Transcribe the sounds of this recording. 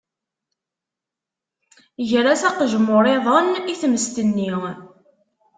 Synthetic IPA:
ʝɾæsæqʒmːoɾˤeðˤəniθməst̪ənːi

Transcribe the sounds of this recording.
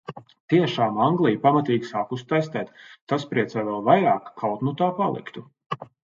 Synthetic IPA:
t̪iɛʃaːmaŋɡlˠijpamat̪iːɡʲisaːkust̪ajst̪ɛːt̪ːaspɾiɛsɛjvɛlˠvajɾaːkːʰawt̪nut̪aːpalˠḭkt̪u

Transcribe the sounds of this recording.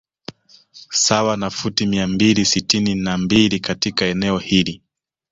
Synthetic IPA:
sawanafutimiambilisitininambilikatikaɛnɛɔhili

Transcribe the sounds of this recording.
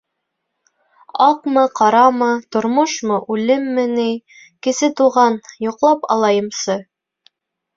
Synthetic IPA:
ɑqmɤqɑɾɑmɤt̪ŏɾmoʃmɤʔʉlɘmːɘnij | kɘ̆sɘt̪uʁɑnjuqlˠɑpɑ̰lˠɑjɤ̆msɤ

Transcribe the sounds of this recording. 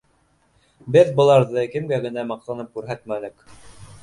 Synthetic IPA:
bɘðbɤ̆lˠɑɾðɤkɘ̆mɡæɡɘ̆næmɑq̚t̪ɑnɤp̚kʉɾɦæt̪mænɘk

